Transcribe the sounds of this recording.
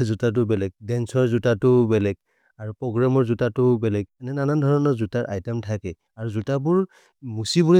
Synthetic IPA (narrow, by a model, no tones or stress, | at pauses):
zutat̬ʊbɛlɛɡ̚dɛnsɔɹzutatʊbɛlɛɡ̚ | aɹupɹɔɡɹamɔɹzutatʊbɛlɛɡɛnɛnanandʱɔɹɔnɔɹzutaɹʔa̰jtɛmtʰakɛ | aɹuzutabuɹ | musibuɹ